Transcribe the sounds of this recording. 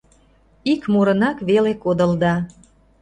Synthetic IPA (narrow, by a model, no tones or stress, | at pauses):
ikmoɾənɑkβelekod̪əld̪ɑ